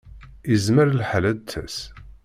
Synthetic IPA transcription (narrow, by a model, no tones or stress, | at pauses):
izməɾəlħalæt͡s̪ːæ̰s